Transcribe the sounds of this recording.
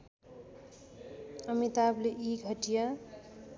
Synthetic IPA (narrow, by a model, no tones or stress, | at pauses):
ʌmit̪ableʔiɡʱʌʈijʌ